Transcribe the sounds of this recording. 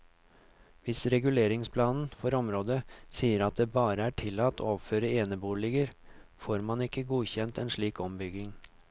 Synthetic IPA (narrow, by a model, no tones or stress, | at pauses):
ʋɪsɾɛɡʉleːɾɪŋspʰlɑːnn̩fɔɾɔmɾoːd̪əsiːəɾɑt̪̚d̪eːbɑːɾəæʈʰɪlːɑt̪ʰːo̰ːɔʋføːɾəeːnəbuːɭɪɡəɾfoːɾmɑnɪkːəɡuːçɛnt̪ɛːnʂɭiːkɔmbʏɡɪŋ